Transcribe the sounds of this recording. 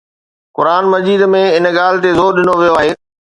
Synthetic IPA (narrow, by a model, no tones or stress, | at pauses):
kʊɾaːnmɐd͡ʑiːd̪mẽɪnɠaːlɪt̪ezoːɾɗɪnoʋijoaːɦeː